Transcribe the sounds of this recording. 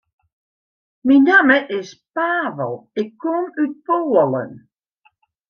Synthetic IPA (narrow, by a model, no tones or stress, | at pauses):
minaːməʔɪspaːvəlˠɪkʰːɔmypoːələ̰n